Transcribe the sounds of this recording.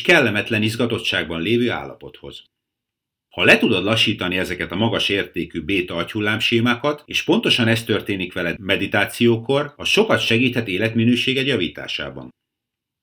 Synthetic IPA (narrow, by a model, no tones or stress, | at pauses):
kɛlːɛmɛt̪lɛnizɡɒt̪o̞tt͡ʃːaːɡ̚bɒnleːvøːa̰ːlːɒ̰po̞t̪ho̞̰z̥ | hɒlɛt̪ud̪o̞d̪lɒʃːiːt̪ɒniɛzɛkɛt̪ɒmɒɡɒʃeːrt̪eːkyːbeːt̪ɒɒchulːaːmʃeːmaːkɒt̪eːʃpo̞n̪t̪o̞ʃɒnɛst̪ø̞rt̪eːnikʋɛlɛmɛd̪it̪aːt̪sijoːko̞rɒʃo̞kɒt̪ʃɛɡiːt̪hɛt̪eːlɛt̪minøːʃeːɡɛjɒviːt̪a̰ːʃa̰ːbɒ̰n